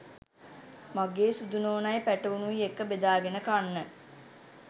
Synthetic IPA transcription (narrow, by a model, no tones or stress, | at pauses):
maɡeːsud̪unoːnajpæʈəʋunuʋiekːəbed̪aːɡenəkanːə